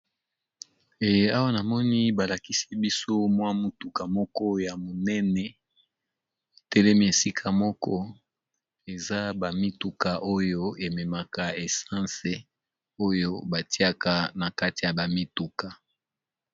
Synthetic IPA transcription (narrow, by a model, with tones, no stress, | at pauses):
e˨je˦a˦wa˦na˨mɔ˦ni˦ba˨la˨ki˦si̥˦bi˦so˦mwa˦mo˨tu˨ka˨mɔ˦kɔ˦ja˨mo˨nɛ˦nɛ˨ | e˨tɛ˦lɛ˦mi˦e˨si˦kʰa˨mɔ˦kɔ˦ | e˨za˦ba˨mi˦tu˨ka˨ʔo˦jo˦e˨mɛ˨ma˨ka˨e˨sã˦nse˨ | o˦jo˦ba˨ti˦a˦˨ka˨na˨ka˦ti˨ja˨ba˨mi˦tu˨ka˨